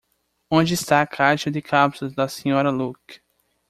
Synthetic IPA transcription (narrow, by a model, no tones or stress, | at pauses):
õd͡ʒɪɪst̪aɐkʰaɾʃɐd̪ɪkʰapsʊzd̪ɐsĩɲɔɾɐluk